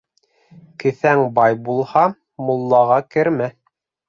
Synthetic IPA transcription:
kɘ̆θæŋbɑjbulˠhɑ | mŏlˠːɑʁɑkɘ̆ɾmæ

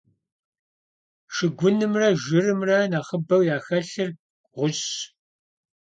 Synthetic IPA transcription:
ʂɨɡʷʊnɨmrɐʒɪrɨmrɐnaːχəbɐwjaːxɐɬɨr | ʁʷʊɕ

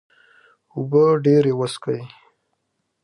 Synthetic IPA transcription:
ubəɖeɾewəskəj

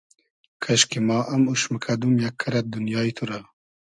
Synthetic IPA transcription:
kʰɐʃkimɑːʔɐmuʃməkʰɐd̪umjakʰːɐɾɐt̪̚d̪unjɑːit̪ʰuɾa

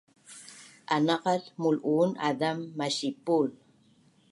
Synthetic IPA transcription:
ʔanɑqɑlmuluːna̰damːaɕipul

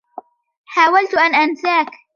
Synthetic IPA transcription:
ħaːwalt̪ʔanʔansaːk

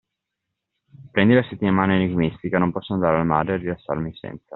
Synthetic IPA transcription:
pɾɛnd̪ilaset̪ːimaːneeniɡmist̪ikanompɔsːonand̪aːɾealama̰ːd̪ɾearilasːa̰ɾmisɛ̰nt̪sa

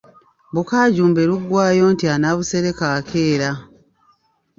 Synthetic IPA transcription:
βukaːɟuːmbeluɡːwaːjo̞ːntianaβuse̞ɾe̞kaːkʰe̞ːɾa

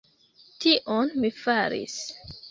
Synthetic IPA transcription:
tiʔonmifaɾḭs

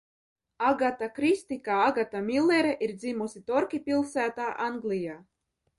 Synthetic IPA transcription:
aɡat̪akɾist̪ikaaɡat̪amʲilʲˠːeɾɛʔiɾd̪zimusit̪ɔɾkʲipʲilˠsæːt̪aːʔanɡlʲijaː

